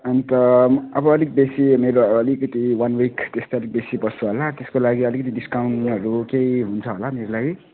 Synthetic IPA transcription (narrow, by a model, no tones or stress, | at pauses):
ʌnit̪ʌʌbʌːlik̚besimeɾoːlikʌt̪iwanwikt̪est̪ajʌlik̚besibʌt͡sʰuɦolat̪eskolaɡiʌlikʌt̪idiskawɳʈɦʌɾukejɦunt͡sʰʌɦolameɾolaɡi